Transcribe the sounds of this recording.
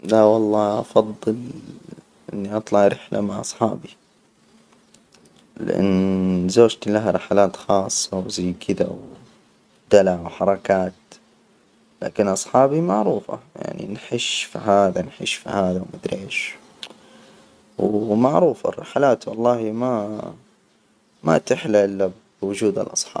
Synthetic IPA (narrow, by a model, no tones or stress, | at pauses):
lawɑlˤːɑːʔɑfɑðˤːɨl | ʔɪ̰nːiʔɑt̪ˤlɑʕɾɪħla̰maʕʔɑsˤħɑ̰ːbi | lɪ̰ʔa̰nːzoːd͡ʒt̪lahɾˤɪħalaːt̪xɑːsˤːɑwzajːkʰɪd̪a̰w | d̪̥alaʕwħɑɾˤɑkaːt̪ | la̰ːkɪnʔɑsˤħɑːbimaʕɾuːfa̰ja̰ʕnḭnħɪʃfḭɦaːðanħɪ̰ʃfḭhaːðawmad̪ɾeːʃ | wmaʕɾuːfa̰rˤːɑ̰ħalaːt̪wɑlˤːɑːhima | ma̰t̪ɪħlaʔɪlːab | wʊd͡ʒuːd̪a̰lʔɑsˤħɑ̰ːb